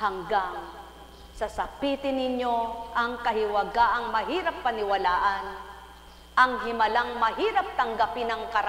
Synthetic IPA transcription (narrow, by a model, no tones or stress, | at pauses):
haŋɡaŋ | sɐsɐpiːt̪ɪnɪɲjoʔɐŋkɐɦɪwɐɡaʔɐŋmɐɦiːɾapːɐnɪwalaːʔɐn | ʔɐŋɦɪmɐlaŋmɐɦiːɾap̚t̪ɐŋɡapɪnɐŋkɐɾ